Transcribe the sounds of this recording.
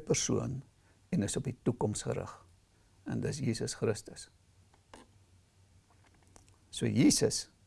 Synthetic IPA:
pərsuən | ɛnəsɔpitukɔmsχə̰ɾə̰χ | ɛ̰ndəs̬jiːsəsχɾəstəs | suəjiːsəs

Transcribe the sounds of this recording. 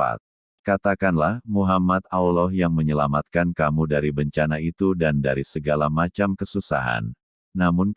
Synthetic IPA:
a̰t̪̚ | kat̪akanlahmuɦamat̪̚aulɔhjaŋməɲəlamat̪̚kankamudaɾibəɲt͡ʃanait̪udandaɾisəɡalamat͡ʃamkəsusa̰ɦa̰nː | amʊn

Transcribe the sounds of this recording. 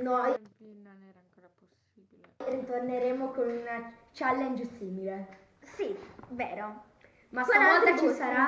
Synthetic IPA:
noj | ŋko | iirit̪orneɾeːmokonuna | t͡ʃalːɛnd͡ʒsiːmile | siveːɾo | makenavɔlt̪at͡ʃisaɾa

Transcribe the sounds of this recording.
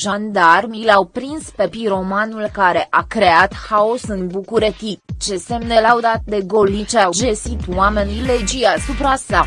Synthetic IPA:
ʒand̪armilawpɾinspe̞piɾo̞manulkaɾe̞ʔakɾe̞at̪haosɨnbukuɾet̪it̪t͡ʃe̞se̞mnelawd̪at̪̚d̪e̞ɡo̞lit͡ʃeawd͡ʒesit̪wame̞niled͡ʒiasupɾasa

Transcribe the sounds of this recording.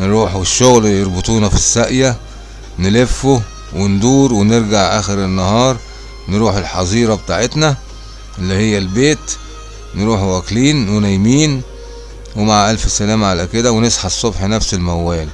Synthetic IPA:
nɾuːħʃːoɣljeɾˤbet̪ˤuːnɑfisːæʔjæ | nelefːo | wend̪uːɾweneɾɡaʕʔæ̰ːxeɾenːɑhɑːɾˤ | nɾuːħelħɑzˤiːɾˤɑbet̪aːʕet̪næ | ʔelːihejːælbeːt̪ | nɾuːħwækliːnwenæjmiːn | wemaʕʔælfsælæːmʕalæked̪æwenesˤħɑsˤːobħnæfselmæwːæːl

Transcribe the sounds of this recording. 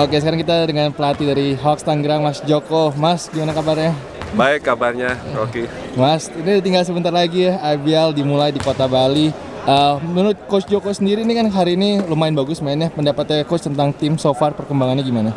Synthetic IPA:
okesəkaɾaŋkit̪adəŋanpəlat̪idaɾiɦɔkst̪aŋɡɾaŋmasd͡ʒokomasɡimanakabarɲa | baɛkːabarɲaoke | masinidat̪iŋɡals̬əbənt̪arlaɡiaabialdimulajdikot̪abali | ʔəmunʊt̪̚kot͡ʃd͡ʒokosəndiɾinikanɦaɾiːnilomaɪnbaɡʊsmaɪnɲapəndapat̪̚akot͡ʃt̪ənt̪aŋt̪imsofarpərkəmbaŋanɲaɡimana

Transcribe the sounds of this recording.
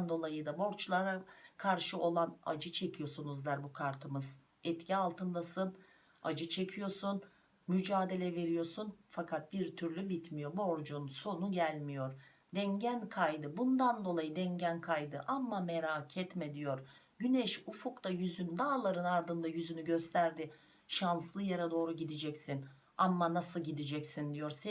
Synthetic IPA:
nd̪o̞lˠajɯd̪abo̞ɾt͡ʃlˠaɾakʰaɾʃɯo̞lˠana̰d͡ʒɯt͡ʃʰe̞cʰijo̞sunuzd̪aɾbukʰaɾt̪ʰɯmɯz̥ | ɛt̪cʰialˠt̪ʰɯnd̪asɯn | a̰d͡ʒɯt͡ʃʰe̞cʰijo̞ɾsun | myd͡ʒaːd̪e̞lʲɛve̞ɾijo̞sunfakʰat̪̚biɾt̪ʰyɾlʲybit̪mijo̞bo̞ɾd͡ʒunso̞nuɟælʲmijo̞ɾ | d̪ɛɲɟænkʰajd̪ɯbund̪and̪o̞lˠajɯd̪ɛɲɟænkʰajd̪ɯʔamːameɾaːcʰɛt̪med̪ijo̞ɾ | ɟynɛʃufukt̪ajyzynd̪aːlˠaɾɯnaɾd̪ɯnd̪ajyzynyɟø̞st̪ʰæɾd̪ɪ | ʃanslˠɯjaɾad̪o̞ːɾuɟid̪id͡ʒɛcsin | amːanasɯlˠɟid̪id͡ʒɛcsind̪ijo̞ɾs

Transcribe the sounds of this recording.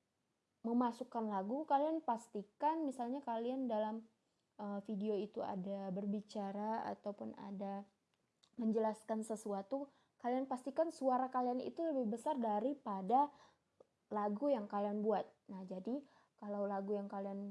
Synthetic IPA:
məmasukanlaɡukalianpast̪ikanmisalɲakaliandalam | əfideoit̪ua̰dabərbit͡ʃaɾaa̰t̪awpʊna̰da | məɲd͡ʒəlaskansəsuat̪u | kalianpast̪ikansuaɾakalianḭt̪uləbɪhbəsardaɾipada | laɡujaŋkalianbuat̪̚nahd͡ʒadi | kalawlaɡujaŋkalian

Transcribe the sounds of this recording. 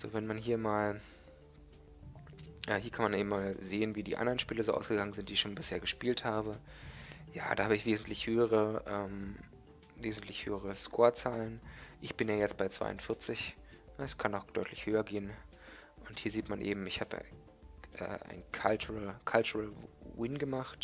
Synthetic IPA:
z̥o̰ːvɛnmanɦiːɐmaːl | ʔɛːɦiːɐkʰanmanʔeːbm̩maːlzeːənviːdḭːʔa̰ndɐʁənʃpiːləzoːʔa̰ʊsɡ̥əɡaŋənzɪntd̥iːɪçʃoːnbɪsheːɐɡəʃpiːlthaːbə | ja̰ːda̰ːhaːbəɪçv̥eːzn̩tʰlɪçhøːəʁəʔɛːm | veːzn̩tʰlɪçhø̰ːəʁ̞əskʰoːɐt͡saːlənʔɪçb̥ɪnjaːjɛt͡st̚b̥aɪt͡sv̥a̰ɪʔʊntfɪɐt͡sɪçɛskʰanɔʊxd̥ɔʏtlɪçhøːɐɡeːən | ʔʊnthiːɐziːtmanʔḛːbm̩ɪçhaːbə̰ | ʔɛ̰ːʔa̰ɪnkʰalt͡ʃʁlkʰalt͡ʃʊʁalwɪnɡəmaχt

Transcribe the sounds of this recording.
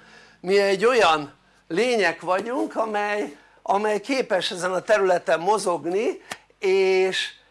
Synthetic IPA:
miɛɟːo̞jɒn | leːɲɛkʋɒɟuŋkɒmɛj | ɒmɛjkeːpɛʃɛzɛnɒt̪ɛɾylɛt̪ɛmːo̞zo̞ɡni | eːʃ

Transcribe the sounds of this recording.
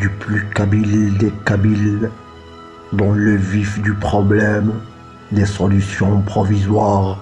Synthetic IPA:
d̪yplykabild̪ekabil | d̪ɑ̃ləvifd̪ypχɔblɛm | d̪esɔlysjɔ̃pχɔvizwaʁ

